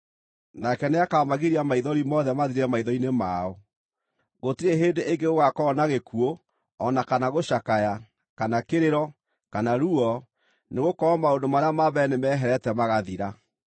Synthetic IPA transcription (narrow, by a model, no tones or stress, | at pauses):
nakɛneakaɔmaɣeɾiamaiðɔɾimɔðɛmaðiɾɛmaiðɔinemaɔ | ɣotiɾeɦeːndeʔeŋɡeɣoɣakɔːnaɣekuo | ɔnakanaɣoʃakaja | kanakeɾeɾɔ | kanaɾuɔ | neɣokɔamaondomaɾeamaβɛnemɛːɦɛɾɛtɛmaɣaðiɾa